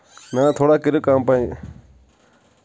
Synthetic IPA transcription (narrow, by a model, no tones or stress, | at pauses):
nãːt̪ʰoːɽaːkɪɾoːkaːmpaːĩː